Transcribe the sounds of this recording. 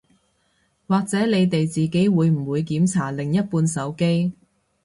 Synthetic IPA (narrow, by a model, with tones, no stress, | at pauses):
waː˨k̚t͡sɛː˨˥ne˨˧jt̪e˨jt͡siː˨ke˨˥jwuː˨˧jm̩˨˩wuː˨˧jkiː˨˥mt͡sʰaː˨˩lɪ˨ŋjɐ˥t̚puː˧nsɐ˨˥wke˥j